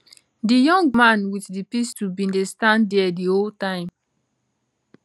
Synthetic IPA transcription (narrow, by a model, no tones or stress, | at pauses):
dijɔ̃ŋɡmãnwitdipistubĩndestãndɛɛdioltãɪ̃m